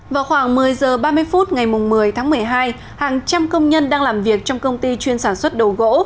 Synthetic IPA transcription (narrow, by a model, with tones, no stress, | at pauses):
vaː˨˩wxwaː˧˩ŋmɨ˨˩əjzəː˨˩ɓaː˧mɨ˧əjfu˦˥t̚ŋa˨˩jmʊ˨˩ŋ͡mmɨ˨˩əjt̪ʰaː˨˦ŋmɨ˨˩əjɦaː˧j | haː˨˩ŋt͡ɕa˧mkə˧wŋ͡mɲə˧nɗaː˧ŋlaː˨˩mvi˨˩ək̚t͡ɕɔ˧wŋ͡mkə˧wŋ͡mt̪i˧t͡ɕwi˧ənsaː˧˩nswə˦˥t̚ɗo˨˩ɣo̰˧˥